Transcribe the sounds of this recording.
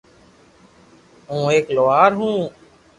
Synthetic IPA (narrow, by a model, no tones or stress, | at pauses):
ũːeːkloːaːɾɦũː